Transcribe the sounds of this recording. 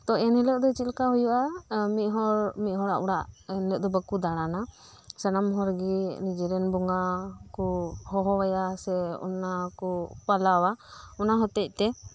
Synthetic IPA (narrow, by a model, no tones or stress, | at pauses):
t̪ɔɛnilɛʔd̪ɔt͡ʃilkaɦujuʔamiʔ̪̚ˀɦɔɾmit̪̚ɦɔɽa̰ʔuɽaʔɛnlɛʔd̪ɔbəkud̪aɽ̃ana | sanamɦɔɾɡinid͡ʒɛɾɛnbɔŋɡakɔhɔɦɔwajasɛɔ̰nakɔpalawaɔnaɦɔt̪ɛc̚ˀt̪ɛ